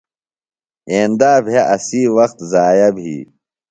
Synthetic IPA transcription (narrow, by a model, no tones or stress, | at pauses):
eːnd̪aːbʱjeʔɐsiːwɐxt̪zaːjɐbʱḭː